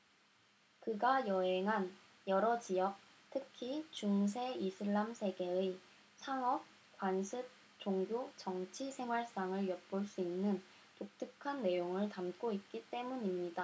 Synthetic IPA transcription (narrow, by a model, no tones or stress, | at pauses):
kɯɡajʌɦeŋɦan | jʌɾʌd͡ʑijʌk̚ | tʰɯkʰit͡ɕuŋs̬ʰe̞isʰɯɭːamsʰe̞ɡe̞ɯ | sʰaŋʌk̚ | k͈wansʰɯk̚ | t͡ɕoŋɡjot͡ɕʌŋt͡ɕʰisʰe̞ŋɦwaɭs͈aŋɯɭjʌt̚p͈oɭs͈uinːɯn | tok̚t͈ʰɯkʰanːe̞joŋɯɭtamk͈oit̚k͈it͈e̞muɲimɲida